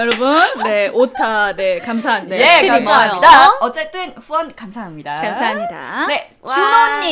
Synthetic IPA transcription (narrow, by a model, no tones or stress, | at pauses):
jʌɾʌbunːe̞ʔotʰane̞kams̬ʰaɦaɲidaeiimajoidaʌt͡ɕ͈e̞t͈ɯnɸuwʌnkamsʰaɦamɲidakamsʰaɦamɲida̰ne̞ | t͡ɕunʌnːi